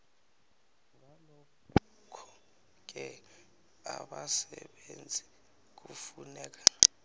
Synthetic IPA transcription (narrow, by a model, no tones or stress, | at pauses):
ŋalɔ | k | kʰɔ̥ | k̬ɛ | aɓasɛɓend͡zʱi | k̬ufunɛːk̬ḁ